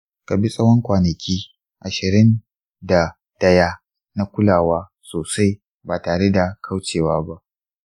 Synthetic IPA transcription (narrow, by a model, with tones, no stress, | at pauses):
ka˨bi˦sʼɐ˦wɔ˦ŋkʷaː˨nɐ˨kʲiː˦ | ʔa˨ʃɪ˨ɾɪ˦n | da˨ | d̥ɐ˦jaː˦ | na˦kʷʊ˦laː˨waː˦ | soː˨sa˦j | baː˨taː˨ɽe˦da˨kʰa˦wt͡ʃeː˨waː˦ba˦ʔ